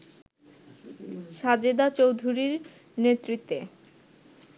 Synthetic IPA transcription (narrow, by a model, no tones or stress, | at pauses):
ʃad͡ʑed̪at͡ɕowd̪ʱuɾiɾ | net̪ːɾit̪ːe